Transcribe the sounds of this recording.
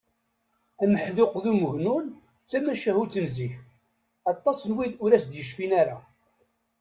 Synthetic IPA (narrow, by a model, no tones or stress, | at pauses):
æməħðʊqðuməʝnun | t͡sːæmæʃæhut͡sːənziç | ɑt̪ˤːɑsnwiðʊɾæsd̪jəʃfinaɾa